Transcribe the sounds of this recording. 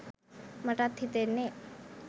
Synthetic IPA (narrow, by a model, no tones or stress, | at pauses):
məʈat̪ʰːit̪ene